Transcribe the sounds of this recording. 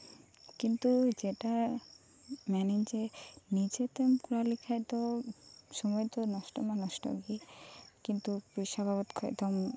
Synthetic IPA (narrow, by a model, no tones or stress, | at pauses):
kint̪ud͡ʑeʈa | mɛnind͡ʑenid͡ʑet̪emkuɾalikʰajt̪o | ʃɔmɔjt̪onɔʃʈɔ̰manɔʃʈɔ̰ɡikint̪upɾiʃabʱabɔt̪kʰoet̪ɔm